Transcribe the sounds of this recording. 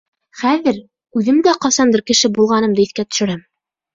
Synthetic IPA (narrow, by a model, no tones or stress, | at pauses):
χæðɘɾ | ʉðɘmd̪æqɑsɑnd̪ɤɾkɘ̆ʃɘbulˠʁɑnɤmd̪ɤiθkæt̪ɵ̥̆ʃɘ̆ɾæm